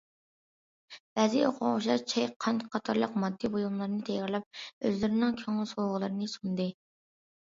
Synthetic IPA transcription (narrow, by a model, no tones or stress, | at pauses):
b̥ɛzioqʰʊ̰ŋʁʊʃlɑt͡ʃʰɛjqʰɑnt̪qʰɑt̪ʰɑɾlˠəqmɑd̪ːibojumlˠɑɾɨnɨt̪ʰɛjɑɾlˠɑp̚øzlɪɾɪnɪŋkʲʰøŋɪlˠsowʁəlˠɨɾɨnɨsund̪ɨ